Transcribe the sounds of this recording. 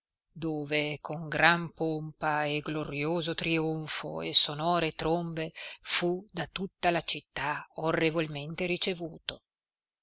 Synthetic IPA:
d̪oːvekʰoŋɡɾampompaeɡloɾjoːzot̪ɾioɱfo̰ḛsonɔːɾet̪ɾombefud̪at̪ut̪ːalat͡ʃit̪ːaorːevolment̪eɾit͡ʃevuːt̪o

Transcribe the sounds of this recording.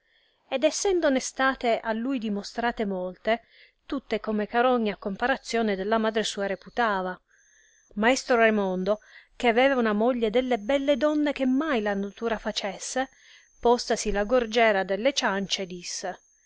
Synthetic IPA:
ed̪ɛsːɛnd̪onest̪aːt̪eʔalːujd̪imost̪ɾaːt̪emɔlt̪e | t̪ut̪ːekomekaɾɔɲːakompaɾat̪sːjɔːned̪elːamaːd̪ɾesuːaɾeput̪aːva | maɛst̪ɾoɾemɔnd̪ok̟eavɛːvaunamoʎːed̪elːebɛlːed̪ɔnːek̟emːajlanat̪uːɾafat͡ʃesːe | pɔst̪asilaɡord͡ʒɛːɾad̪elːet͡ʃant͡ʃed̪isːe

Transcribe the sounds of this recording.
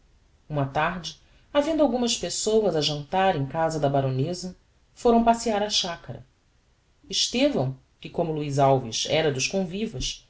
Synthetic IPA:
ũmɐt̪aɾd͡ʒɪ | avẽnd̪ʊawɡũmɐʃpesowɐzɐʒɐ̃nt̪aɾẽj̃kazɐd̪ɐbaɾonezɐ | foɾɐ̃w̃pasiaɾaʃakɐɾɐ̰ | ɪʃt̪evɐ̃w̃ | kɪkõmʊluizawviʃɛ̰ɾɐd̪ʊʃkõvivɐʃ

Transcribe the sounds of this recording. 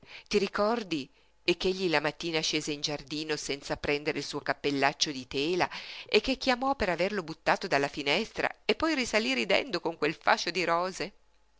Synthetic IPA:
t̪iɾikɔrd̪i | ekːeʎːilamat̪ːiːnaʃeːzeind͡ʒard̪iːnosɛnt̪sapɾɛnd̪eɾeilsuːokapːelːat͡ʃːod̪it̪eːlaʔek̟ːekːjamɔpeɾaverlobut̪ːaːt̪od̪alːafinɛst̪ɾa̰epːɔjrisaliɾid̪ɛ̰nd̪okoŋkwelfa̰ʃod̪iɾɔːze

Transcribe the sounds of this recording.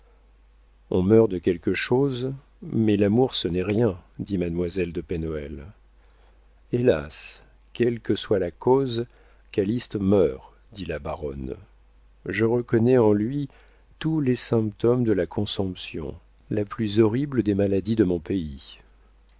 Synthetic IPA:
ɔ̰̃mœʁd̪əkʲɛlkəʃoz | mɛlamuʁsənɛʁjɛ̃d̪imad̪mwazɛld̪əpɛnɔɛl | ela̰s | kʲɛlkəswalakoz | kalist̪mœʁ | d̪ilabaʁɔ̰n | ʒəʁəkɔnɛɑ̃lɥi | t̪ulesɛ̃pt̪ɔmd̪əlakʰɔ̃sɔ̃psjɔ̰̃ | laplyzɔʁibləd̪emalad̪id̪əmɔ̃pei

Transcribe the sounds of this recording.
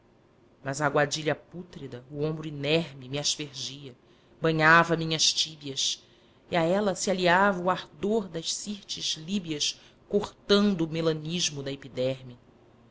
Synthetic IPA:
mɐzaːɡwad͡ʒiʎɐput̪ɾid̪ɐuõmbɾʊinɛɾmimɪaʃpeɾd͡ʒiɐ | bɐ̃ɲavɐmĩɲɐʃt͡ʃibiɐs | iaɛlɐsialiavɐuaɾd̪oɾd̪ɐʃsiɾt͡ʃɪz̥libiɐs | koχt̪ɐ̃nd̪ʊːmelɐ̃niʒmʊd̪ɐepid̪ɛɾmjɐ

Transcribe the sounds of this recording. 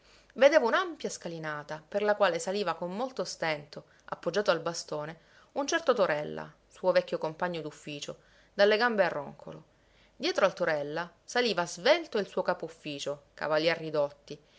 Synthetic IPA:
ved̪eːvaunampjaskalinaːt̪aperlakwaːlesaliːvakomːolt̪ost̪ɛnt̪o | a̰pːod͡ʒːaːt̪oalbast̪oːne | unt͡ʃɛrt̪ot̪oɾɛlːa̰ | suːovɛkʲːjokompaɲːod̪ufːiːt͡ʃo | d̪alːeɡambearːo̰ŋkʰo̰lo̰ | d̪jɛːt̪ɾoalt̪oɾɛlːa | saliːvazvelt̪oilsuːokaːpoufːiːt͡ʃoka̰valjɛrːid̪ot̪ːi

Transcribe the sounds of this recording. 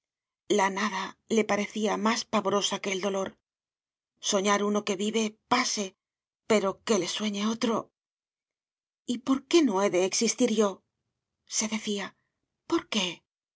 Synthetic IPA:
lanaðale̞paɾe̞θiamaspaβo̞ɾo̞sake̞ːld̪o̞lo̞ɾ | so̞ɲaɾuno̞ke̞βiβe̞pase̞ | pe̞ɾo̞ke̞le̞swe̞ɲe̞o̞t̪ɾo̞ | ipo̞ɾke̞no̞e̞ðe̞ːksist̪iɾʝo̞ | se̞ðe̞θia | po̞ɾke̞

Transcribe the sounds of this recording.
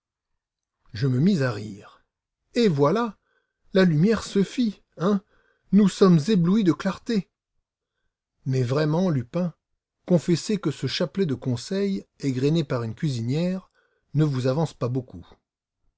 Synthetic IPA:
ʒəməmizaʁiʁ | evwala | lalymjɛʁsəfi | ɛ̃ | nusɔmzebluid̪əklaʁt̪e | mɛvʁɛmɑ̃lypɛ̃ | kɔ̃fɛsekəsəʃaplɛd̪əkɔ̃sɛjɛɡʁenepaʁynkʲɥizinjɛʁ | nəvuzavɑ̃spaboku

